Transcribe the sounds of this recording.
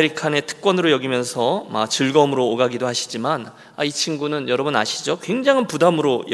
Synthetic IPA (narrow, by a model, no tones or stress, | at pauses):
ɾikʰane̞tʰɯ̥k̚k͈wʌnɯɾojʌɡimjʌnsʰʌma̰t͡ɕɯɭɡʌmɯɾoːɡaɡidoɦaɕʰi̥d͡ʑiman | ait͡ɕʰinɡunɯnjʌɾʌbuna̰ɕʰid͡ʑokwe̞ŋd͡ʑaŋɯnpudamɯɾoj